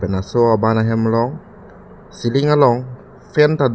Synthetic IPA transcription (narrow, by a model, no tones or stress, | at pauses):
pɛnasoabanaɦɛmlɔŋ | siliŋalɔŋ | fent̪ad̪